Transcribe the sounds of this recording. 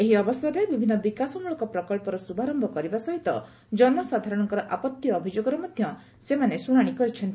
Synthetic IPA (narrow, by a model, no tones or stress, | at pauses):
eɦiɔbɔsɔɾɔebibʱinːɔbikasɔmuɭɔŋkɔpɾɔkɔɭpɔɾɔsubʱaɾɔmbʱɔkɔɾibasɔɦit̪ɔ | d͡ʒɔnmɔsad̪ʱaɾɔɽ̃ɔŋkɔɾɔʔapɔt̪jːbʱid͡ʒoɡɔɾɔmɔd̪ʱjɔ | semanesuɽ̃aɽ̃ikɔɾit͡ʃʰɔnt̪i